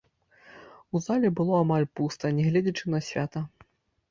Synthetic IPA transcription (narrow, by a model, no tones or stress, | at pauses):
uzalʲɛbɨlˠɔamalʲpust̪ɐnʲɛɣlʲɛd͡zʲɐt͡ʂɨnɐsʲvʲat̪ɐ